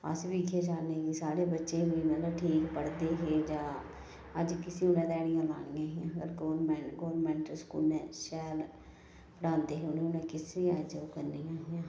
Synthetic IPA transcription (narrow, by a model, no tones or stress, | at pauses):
ə̰sʋiːkʰeːd͡ʒaːneːɡiːsaːɽeːbətːʃeːʋiːmət̪ləbʈʰiːkpəɽd̪eːɦeːd͡ʒãː | əd͡ʒkɪsiːʊnẽːd̪ɛːɽijãːla̰ːnijãːɦɪjãːəɡəɾɡoːɾmɛɡoːɾmɛ̃ːɳʈəɾskṵːlnɛ̃ːʃɛːl | pəɽãːnd̪eːɦeʊnẽːʊnẽːkɪsʋiːaːd͡ʒoːkəɾniːjãːɦɪjãː